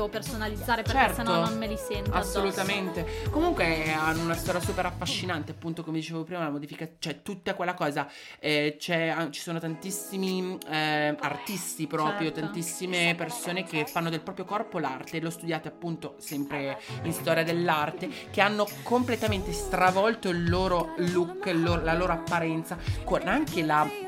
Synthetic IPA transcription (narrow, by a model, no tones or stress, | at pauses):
opersonalid̪zːaːɾepeɾt͡ʃɛrtsenononmelisɛnt̪asːolut̪ament̪ekomuŋkweanːounast̪ɔɾjasuːpeɾafːaʃːinant̪eapːunt̪okomed̪it͡ʃeːavopɾiːmalamod̪ifikat͡ʃɛt̪ːut̪ːakwelːakɔːza | ɛt͡ʃɛat͡ʃi̥soːnot̪ant̪isːimi | art̪ist̪ipɾɔːpɾjot̪ant̪isːimepersoːnek̟efːanːod̪elpɾɔːpɾjokɔrpolart̪elost̪ud̪jaːt̪eapːunt̪osɛmpɾeinst̪ɔːɾjad̪elːart̪ek̟eanːokomplet̪ament̪est̪ɾavɔlt̪oilːoːɾolukːilːoːɾolaloːɾoapːaɾɛnt̪sakonaŋkela